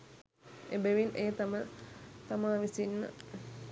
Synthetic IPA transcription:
ebəʋineːt̪amət̪amaːʋisinmə̰

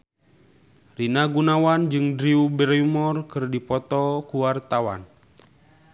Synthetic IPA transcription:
rinaɡunawand͡ʒɨŋdɾiubɛɾumɔrkɨrdipɔt̪ɔkuwart̪awa̰n

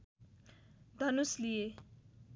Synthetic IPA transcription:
d̪ʱʌnuslije

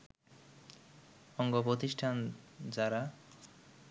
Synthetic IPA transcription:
ɔŋɡopɾot̪iʃʈʰand͡ʑaɾa

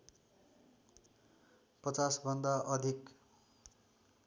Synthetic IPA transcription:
pʌt͡sasbʱʌnd̪aʔʌd̪ʱik

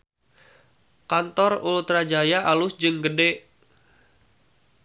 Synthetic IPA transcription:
kant̪ɔrult̪ɾad͡ʒajaalʊsd͡ʒɨŋɡədɛʔ

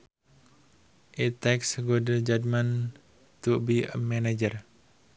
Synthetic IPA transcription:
ʔit̪ɛksɡodəd͡ʒad̪man | t̪ubimɛnad͡ʒər

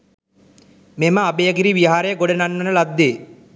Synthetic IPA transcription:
meməabejəɡiɾiʋiɦaɾejəɡoɽənanːənəlad̪ːeː

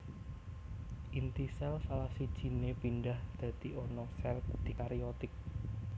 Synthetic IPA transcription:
ʔint̪isɛlsalahsid̥ʒ̥i̤nepinɖahd̪̥ä̤d̪̥iɔnɔsɛlk̚d̪̥ikaɾiɔt̪ɪk̚

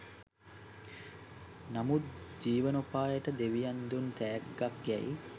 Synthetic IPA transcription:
namut̪̚d͡ʒiːʋənopaːjəʈəd̪eʋijand̪unt̪æːɡːakjæ̰j

